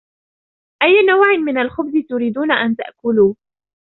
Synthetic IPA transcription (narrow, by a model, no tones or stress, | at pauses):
ʔajːnawʕɪnmɪnalxʊbzɪt̪ʊɾiːd̪uːnaʔant̪a̰ʔkʊluː